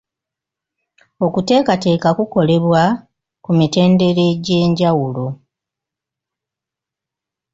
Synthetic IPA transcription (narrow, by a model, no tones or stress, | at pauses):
o̞kute̞ːkate̞ːkakuko̞le̞βwa | kumite̞ːnde̞ɾe̞ɟe̞ːɲɟawulo̞